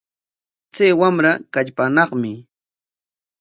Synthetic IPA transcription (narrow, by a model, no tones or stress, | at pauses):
t͡sajwamɾakaʎpanɑχmɪ